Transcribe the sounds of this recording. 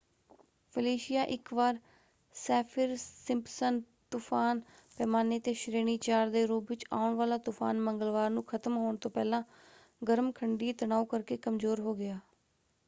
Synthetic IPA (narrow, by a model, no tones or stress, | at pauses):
pʰəliːʃɪjaːʔɪkʋaːɾ | sɛːpʰɪɾsɪmpsən | t̪ʊpʰaːnpɛːmaːneːt̪eːʃɾeːñiːt͡ʃaːɾd̪eːɾoːbʋɪt͡ʃa̰ːʊɳʋaːlaːt̪ʊpʰa̰ːnməŋɡəlʋaːɾnũːkʰət̪əmɦoːɳt̪õːpɛːlãː | ɡəɾəmkʰəɳɖiːt̪əñaːuːkəɾkeːkəmzoːɾɦoːɡɪaː